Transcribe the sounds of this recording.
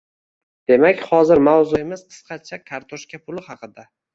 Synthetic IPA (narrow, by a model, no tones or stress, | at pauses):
d̪̥e̞makʲχɒzɪɾmawzʊe̞mɪsqʰɨ̥sqʰɑt͡ʃʰakʰaɾt̪ʰoʃkʲapʰʊlɪχɑqɨd̪a